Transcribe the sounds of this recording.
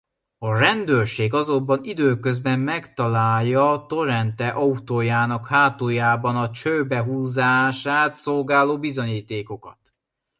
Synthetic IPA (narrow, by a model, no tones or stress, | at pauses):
ɒrɛnd̪øːrʃeːɡɒzo̞mbɒnid̪øːkøzbɛmːɛkt̪ɒlaːjːɒt̪o̞ɾɛnt̪ɛʔɒut̪oːjaːnɒkhaːt̪oːjaːbɒnɒt͡ʃøbɛɦuːzaːʃaːt̪so̞lɡaːloːbizo̞ɲiːt̪eːko̞kɒt̪